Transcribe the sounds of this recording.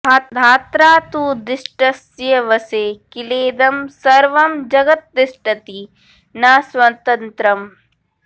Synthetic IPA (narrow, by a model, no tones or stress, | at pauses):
aːd̪ʱaːt̪ɾaːt̪uːd̪ɪʃʈɐsjɐʋɐseːkileːd̪ɐmsɐɾʋɐmd͡ʒɐɡɐt̪̚d̪ɪʃʈɐt̪i | naːswɐt̪ɐnt̪ɾɐm